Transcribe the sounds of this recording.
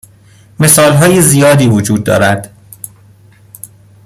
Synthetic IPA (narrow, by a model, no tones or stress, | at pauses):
me̞sɒːlɦɒːjezijɒːd̪iːvod͡ʒuːd̪̚ːɒ̰ːɾæd̪̥